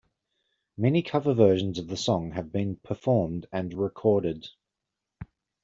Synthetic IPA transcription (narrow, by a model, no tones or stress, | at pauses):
mɛnikʰʌvəvɜːˑʒə̃nzəvðəsɒ̃ŋəvbĩnpʰəfɔːmdə̃nɹɪkʰɔːɾɪd̥